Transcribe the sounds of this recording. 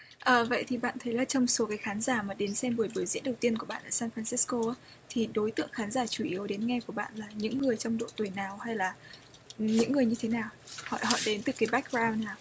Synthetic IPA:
ʔəː˨˩və̰˧˨jt̪ʰi˨˩ɓa̰ː˧˨nt̪ʰə˨˦jlaː˨˩t͡ɕɔ˧wŋ͡mso˨˦kaː˨˦jxaː˨˦nzaː˧˩maː˨˩ɗe˨˦nsɛ˧mɓu˧˩əjɓu˧˩əjzḭ˧˥nɗə˨˩wt̪i˧ənku˧˩ɓa̰ː˧˨nʔaː˧˩saː˧nfaː˧nsi˨˦˥sko˧ʔaː˨˦ | t̪ʰi˨˩ɗo˨˦jt̪ɨ̰˧˨əŋxaː˨˦nzaː˧˩t͡ɕu˧˩ʔi˨˦əwɗe˨˦nŋɛ˧ku˧˩əɓa̰ː˧˨nlaː˨˩ɲɨ̰˧˥ŋːɨ˨˩əjt͡ɕɔ˧wŋ͡mɗo̰˧˨t̪wi˨˩jnaː˨˩wha˧jlaː˨˩˨ | ɲɨ̰˧˥ŋːɨ˨˩əjɲɨ˧t̪ʰe˨˦naː˨˩whɔ̰˧˨jhɔ̰˧˨jɗe˨˦nt̪ɨ˨˩kaː˨˦jɓa˦˥k̚ɡɹaː˧wnːaː˨˩w

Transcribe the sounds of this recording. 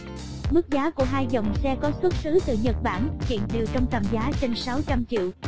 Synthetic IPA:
mɨ˦˥k̚zaː˨˦ku˧˩əɦaː˧jzə˨˩wŋ͡msɛ˧kɔ˨˦swə˦˥t̚sɨ˨˦t̪ɨ̰˧˨ɲə˨˩t̚ɓaː˧˩nkḭ˧˨ənɗe˨˩wt͡ɕɔ˧wŋ͡mt̪ə˨˩mzaː˨˦t͡ɕe˧nsa˨˦wt͡ɕa˧mt͡ɕḭ˧˨əw

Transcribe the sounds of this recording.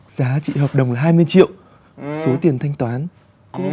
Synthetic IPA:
zaː˨˦t͡ɕḭ˧˨hɔː˨˩p̚ɗə̰˨˩wŋ͡mlaː˨˩ɦaː˧jmɨ˧əjt͡ɕḭ˧˨əw | so˨˦t̪i˨˩ənt̪ʰa˧jŋ̟t̪waː˨˦n

